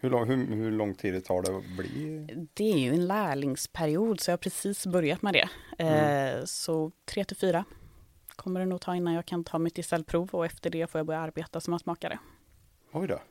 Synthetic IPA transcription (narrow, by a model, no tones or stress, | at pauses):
hɵlɔɦɵhɵlɔŋːt̪ʰiːd̪ɛt̪ʰɑːɖɛblɪ̰d̪ɛæɾjɵɛnlæːɭɪŋspʰæɾɪuːd̪sɔjɑːhaɾpʰɾɛsiːsbœɾjat̪mɛd̪ɛ̰ | sɔt̪ʰɾɛːt̪ɪlfyːɾa | kʰɔmːəɖɛnuːt̪ʰɑːɪnːanjɑːɡkʰanɪnʰɑːmɪt̪ːɪsɛlpʰɾuːvɔɛft̪əɖɛfoːɾjabœɾjaaɾbeːt̪asɔmjasmɑːkaɾə̰ | ɔjd̪ɔ̰